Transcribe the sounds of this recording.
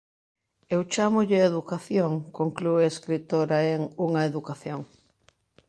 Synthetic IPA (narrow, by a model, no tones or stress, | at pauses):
ewt͡ʃamʊʎɪeðukaθjoŋkoŋklueeskɾit̪oɾaeŋuŋɐeðukaθjoŋ